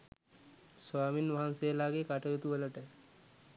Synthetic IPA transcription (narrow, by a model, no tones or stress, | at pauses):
sʋaːminʋaɦansejəlaːɡekaʈəjut̪uʋələʈə